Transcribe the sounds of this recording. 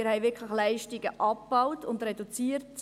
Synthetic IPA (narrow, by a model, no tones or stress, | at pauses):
ɪɾhɛɪʋɪɾkʰləχlɛɪʃtiɡəʔɑpb̥aʊwtʊndɾɛdut͡siːɾt